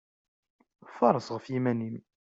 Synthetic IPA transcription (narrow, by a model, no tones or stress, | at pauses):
fɑɾˤːəsʁəfjimænim